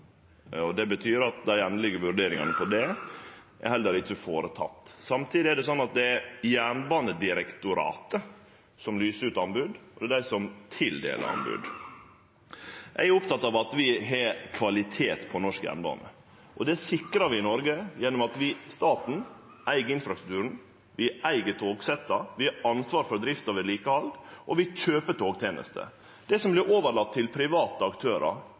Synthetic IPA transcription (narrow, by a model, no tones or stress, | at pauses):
ɔd̪ɛbət̪ʰyːɾɑt̪̚d̪æɪɛnːəlɪɡəʋʉɾɖeːɾɪŋɑ̰nəfɔɖɛ | ʔæ̰hɛlːəɾɪt͡ʃːəfoːɾət̪ʰɑ̰t̪ːsɑmt̪ʰiːd̪ɪæɖɛs̬ɔnːɑt̪̚d̪ɛæɾjæːɳbɑːnəd̪ɪɾɛkt̪ʊɾɑ̰ːt̪ə | sɔmlyːsəɾʉːt̪ɑnbʉd̪ɔd̪ɛd̪æɪsɔmt̪ʰɪld̪ḛːlʔə̰ɾɑ̰nbʉ̰d̪ | jʔæɪæɾʊpt̪ɑt̪ːɑʋɑt̪ʋɪɦɛkʰʋɑlɪt̪ʰeːt̪pʰɔnɔʂkjæ̰nbɑ̰ːnə̰ | ʔɔd̪ɛsɪkɾɑʋɪɪnɔɾɡəjɛnːɔmɑt̪ʋɪst̪ɑːt̪n̩ | ʔæɪɡəɪnfɾɑst̪ɾʉ̥k̚t̪ʉːɾəɳ̩ | ʋɪʔæɪɡət̪ʰoːɡsɛt̪ːəʋɪɑɑnsʋɑːɾfɔɾd̪ɾɪft̪ɑʋɪliːkəhɑlɡʔɔʋɪc͡çøːpət̪ʰoːɡt̪ʰjeːnə̰st̪ʰə̰ | d̪̥æɪsɔmblɪɾoːʋəɾɭɑt̪ʰːɪlpʰɾɪʋɑːt̪əɑkt̪ʰøːɾə̰ɾ